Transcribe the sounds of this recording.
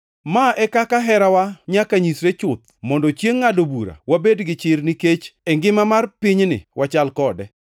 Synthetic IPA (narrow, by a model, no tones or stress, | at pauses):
maʔɛkakaɦɛɾawaɲakaɲisɾet͡ʃʊt̪̚mɔndɔt͡ʃjeŋːadobuɾa̰wabedɡɪt͡ʃɪrnɪket͡ʃɛŋɡɪmamarpiɲnɪ̰wʔat͡ʃalkɔdɛ